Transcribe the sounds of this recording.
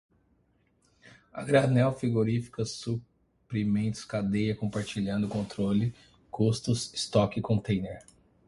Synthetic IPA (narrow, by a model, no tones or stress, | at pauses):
ɐ̰ɡɾanɛwfiɡoɾifi̥kɐsu | pɾimẽnt̪ʊ̥skad̪ejɐkõpaɾt͡ʃiʎɐ̃nd̪ʊkõnt̪ɾolɪ | kust̪ʊsist̪ɔkikõt̪ẽj̃neɾ